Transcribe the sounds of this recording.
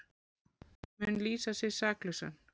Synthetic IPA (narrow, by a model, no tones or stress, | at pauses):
mʏnliːsasɪsaːklʏsa̰n